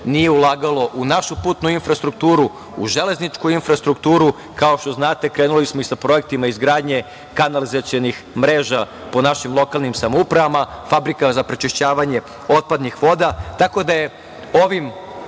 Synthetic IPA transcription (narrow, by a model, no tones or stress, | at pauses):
nije̞ulˠaːɡalˠo̞ʔunaʃupuːt̪nuinfɾast̪ɾuk̚t̪uːɾu | ṵʒe̞le̞znit͡ʃkuinfɾast̪ɾukt̪uːɾu | kao̞ʃt̪o̞znaːt̪e̞kɾeːnulismo̞isapɾo̞je̞k̚t̪imaizɡɾaːd̪ɲe̞ | kanalizat̪sjenix | mɾe̞ːʒa | po̞naʃimlˠo̞kalˠnimsamoupɾaʋamafabɾikazapɾet͡ʃeʃt͡ɕaːʋaɲe̞ | o̞t̪̚pad̪nixʋo̞d̪at̪ako̞d̪aje̞ | o̞ʋim